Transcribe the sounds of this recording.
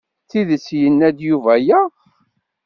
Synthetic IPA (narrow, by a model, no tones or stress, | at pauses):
θiðəsjənːæd̪juvæjæʁ